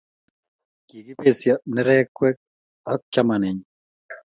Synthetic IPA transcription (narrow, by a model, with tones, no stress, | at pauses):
ki˨ki˦pe˨sjanɪ˦ɾɛ˦kwɛ˦k̚ | a˦k̚t͡ʃamanɪ˨ɲ